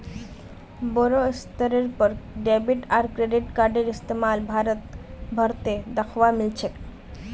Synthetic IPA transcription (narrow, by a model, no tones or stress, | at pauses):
bɔɾoist̪ɔɾeɾpɔɾɖɛbiʈaɾkɾeɖiʈkaɾɖeɾist̪emalbʱaɾot̪bʱɔɾt̪ed̪akʰowamilt͡ɕʰek